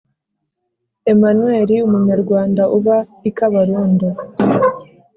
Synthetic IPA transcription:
e̞manuweːɾiumuɲaɾɡwaːndaʔuβaikaβaɾuːndo

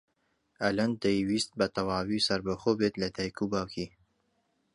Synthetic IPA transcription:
ʔɐlɐnd̪ejwiːst̪̚bɐt̪ɐwaːwisɐɾbɐxoːbeːt̪lɐd̪aːjkʰubaːwkʰiː

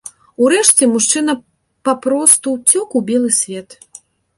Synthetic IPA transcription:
uɾɛʂt͡sʲɛmuʂt͡ʂɨnɐ | papɾɔst̪ut͡sʲɔkubʲɛlˠɨsʲvʲɛt̪

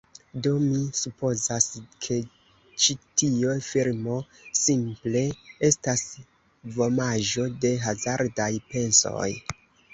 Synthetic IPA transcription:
do̞misupo̞zaskʰe̞ | t͡ʃitiofiɾmo̞ | simple̞e̞stas | vo̞maʒo̞de̞ɦazaɾdajpe̞nso̞̰j

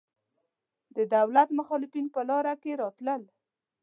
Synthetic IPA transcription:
d̪əd̪awlat̪mʊxɑlɪfinpəlɑɾakeɾɑt̪ləl

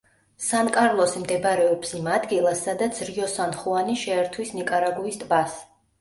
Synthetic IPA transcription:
sankʼaɾlˠɔsimd̪ɛbɾɛɔpsimad̪ɡilˠasːad̪at̪sʰɾiɔsanχuaniʃɛːɾt̪ʰwisnikʼaɾaɡuist̪ʼbas

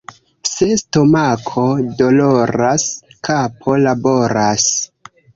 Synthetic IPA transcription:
sestomakʰodo̞loɾaskapʰo̞labo̞ɾas

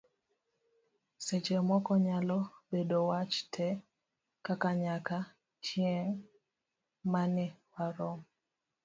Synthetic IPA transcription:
set͡ʃemɔkɔɲalɔbedowat͡ʃtʰɛ | kakaɲaka | t͡ʃjeŋ | manɪwaɾɔm

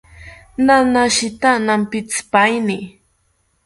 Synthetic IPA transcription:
nanaʃɪt̪anampɪt͡spajnɪ

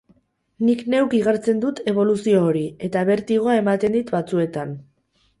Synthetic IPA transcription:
nikne̞wkiɣ̞aɾt͡se̞nd̪ut̪e̞β̞o̞lusio̞ːɾie̞t̪aβe̞ɾt̪iɣ̞o̞ae̞mat̪e̞nd̪it̪bat͡sue̞t̪an

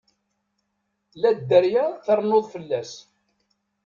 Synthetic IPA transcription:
læd̪ːəɾjæθɑɾˤnːoðˤfəlːæs

